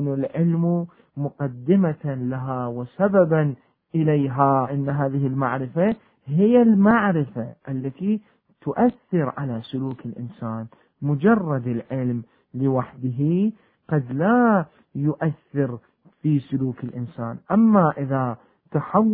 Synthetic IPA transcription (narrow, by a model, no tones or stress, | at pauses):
nalʕɪlm | mʊqɑd̪ːɪmalaɦawɪsababan | ʔɪlajɦaʔanːɦaːðɪɦɪlmaʕɾɪfa | ɦɪjːalmaʕɾɪfaʔalːat̪i | t̪ʊʔaθːɪɾʕalasʊluːkɪlʔɪnsaːn | mʊd͡ʒɑrˤːɑd̪ɪlʕɪlm | lɪwaħd̪ɪɦi | qɑd̪la | jʊʔaθːɪɾ | fiːsʊluːkɪlʔɪnsaːnʔamːaʔɪða | t̪aħawː